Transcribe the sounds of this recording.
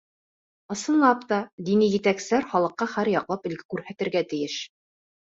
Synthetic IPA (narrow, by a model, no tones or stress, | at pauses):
ɤ̆sɤ̆nlˠɑpt̪ɑd̪inijɘ̆t̪æksɘ̆læɾχɑlˠɤ̆qːɑχæɾjɑqlˠɑpɘ̆lɡɘkʉɾhæt̪ɘ̆ɾɡæt̪ɘ̆jɘʃ